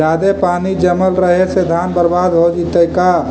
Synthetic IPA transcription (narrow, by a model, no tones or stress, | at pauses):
aːd̪epaːnid͡ʒəməlɾəɦesed̪ʱaːnbəɾbaːd̪ɦod͡ʒit̪əka